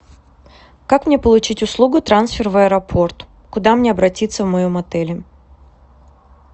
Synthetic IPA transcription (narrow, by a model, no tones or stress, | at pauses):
kakmnʲepəlˠʊt͡ɕitʲʊslˠuɡʊt̪ɾansfʲɪrvəəɾɐpʰo̞rt̪ | kʊd̪amnʲeɐbɾɐtʲit̪səvmɐjomɐt̪ɛlʲɪ